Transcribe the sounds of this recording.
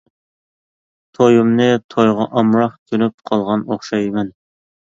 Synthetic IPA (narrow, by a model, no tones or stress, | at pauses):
t̪ʰojumnɨt̪ʰojʁɑʔɑmɾɑχk̪ʲʰønyp̚qʰɑlˠʁɑnoχʃɑjmɛn